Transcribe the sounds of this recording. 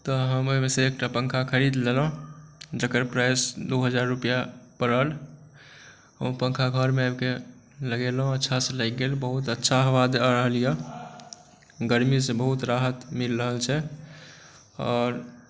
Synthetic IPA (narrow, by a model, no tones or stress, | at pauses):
t̪ɔɦəmoɦmeseek̚ʈapəŋkʰakʰəɾid̪lelɦd͡ʒəkəɾpɾajsd̪oɦəd͡ʒaɾːupijapəɾəl | ɦəmpə̃ŋkʰaɡʱəɾmeabke | ləɡelɦõətːʃʰasəlakɡelbəɦut̪ətːʃʰaɦʋad̪ɾəɦəlijə | ɡəɾmisẽbəɦut̪ɾaɦət̪milɾəɦəlt͡ʃʰɛ | ɔːɾ